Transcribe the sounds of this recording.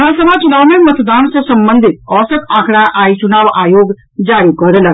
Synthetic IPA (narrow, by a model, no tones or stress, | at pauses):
ɦasəbʱat͡ʃʊnaːʋmemət̪d̪aːnsəsɐmbə̃nd̪ʱɪt̪̚ɔːsəkãːkʰɽaʔaːit͡ʃʊnaːʋaːjoːɡ | d͡ʒaːɾikɔɾlə